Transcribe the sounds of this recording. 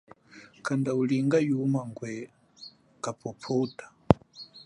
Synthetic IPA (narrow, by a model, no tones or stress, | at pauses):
kʰandauliŋɡajumaŋɡwɛ | kapʰɔpʰɔutḁ